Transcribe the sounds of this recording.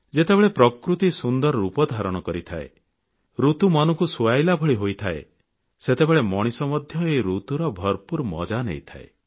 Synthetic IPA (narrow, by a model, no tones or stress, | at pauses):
d͡ʒet̪ebeɭepɾɔkɾut̪isund̪ɔɾɔupɔd̪ʱaɾɔɽ̃ɔkɔɾit̪ʰa̰ḛ | ɾut̪umanɔŋkusuajlabʱɔɭiɦojt̪ʰaḛ | set̪ebeɭemɔɽ̃isɔmɔd̪ʱjɔeɾut̪uɾɔbʱɔɾpuɾmɔ̰d͡ʒanḛjt̪ʰa̰ḛ